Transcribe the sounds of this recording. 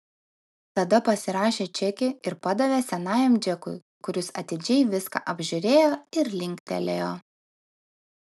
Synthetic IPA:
t̪ɐd̪ɐpɐsʲɪɾɑːʃʲeːt͡ʃʲɛkʲɪɪɾpɐd̪ɐʋʲeːsʲɛnɑːjɛmd͡ʒʲɛkʊ̰ɪ | kʊɾʲʊsɐt̪ʲɪd͡ʒʲɛɪʋʲɪskɑ̰ːʔɐbʲʒʲʊɾʲeːjoːɪɾlʲɪŋʲkʲt̪ʲɛ̰lʲeːjoː

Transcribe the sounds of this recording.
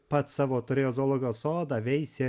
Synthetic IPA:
pɐt̪sɑːʋoːt̪ʊɾʲeoːzoːlˠoːɡʲɪjoːsoːd̪ɑːʋʲɛɪsʲe

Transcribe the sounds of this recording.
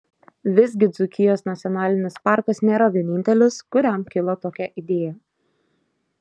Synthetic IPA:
ʋʲɪzʲɡʲɪd̪zʊkʲɪjoːsnɐt̪sʲɔnɑːlʲɪnʲɪspɑˑɾkɐsnʲeːɾɐʋʲiɛnʲɪnʲt̪ʲɛlʲʊskʊɾʲɛmkʲɪlˠɐt̪oːkʲɛʔɪd̪ʲeːjɛ

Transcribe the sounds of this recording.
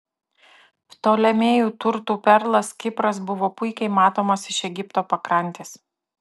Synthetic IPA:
pt̪oːlʲɛmʲeːjuːt̪ʊɾt̪uːpʲɛɾlˠɐskʲɪpɾɐs̬bʊʋoːpʊɪkʲɛɪmɑːt̪oːmɐsɪʃɛɡʲɪpt̪oːpɐkɾɐnʲt̪ʲeːs

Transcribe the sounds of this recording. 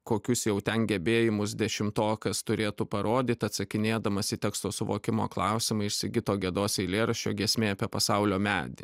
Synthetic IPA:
koːkʲʊsjɛʊt̪ʲɛnɡʲɛbʲeːjɪmʊsd̪ʲɛʃʲɪmt̪oːkɐst̪ʊɾʲeːt̪uːpɐɾʔoːd̪ʲiːt̪ʲɐt̪sɐkʲɪnʲeːd̪ɐmɐsʲɪt̪ʲɛkst̪oːsʊʋoːkʲɪmo̰ːklˠɐˑʊsʲɪmɐɪʃʲsʲɪɡʲɪt̪oːɡʲɛd̪oːsʲɛɪlʲeːɾɐʃʲt͡ʃʲoːɡʲiɛsʲmʲeːɐpʲeːpɐsɐʊlʲoːmʲæːd̪ʲɪ̰

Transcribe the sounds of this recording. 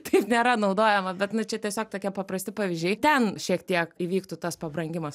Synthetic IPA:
t̪ɐɪpnʲeːɾɐnɐʊd̪oːjɛmɐbʲɛt̪nʊt͡ʃʲɛt̪ʲiɛsʲoːk̚t̪oːkʲiɛpɐpɾɐsʲt̪ʲɪpɑʋʲɪzʒʲd͡ʒʲɛɪt̪ʲɛnʃʲiɛkt̪ʲiɛkiʋʲiːkt̪ʊt̪ɐspɐbɾɐŋʲɡʲɪmɐs

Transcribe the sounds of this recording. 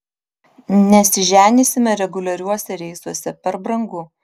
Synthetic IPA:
nʲɛsʲɪʒʲæːnʲisʲɪmʲɛɾʲɛɡʊlʲɐɾʲuɔsʲɛɾʲɛɪsuɔsʲɛpʲɛɾbɾɐŋɡʊ

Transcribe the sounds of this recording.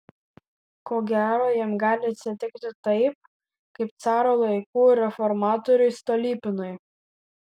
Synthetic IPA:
koːɡʲæːɾoːjimɡɑːlʲɪɐt̪ʲsʲɪt̪ʲɪkt̪ʲɪt̪ɐɪp̚ | kɐɪp̚t̪sɑːɾoːlˠɐɪkuːɾʲɛfɔɾmɑːt̪ɔɾʲʊɪst̪ɔlʲiːpʲɪnʊɪ

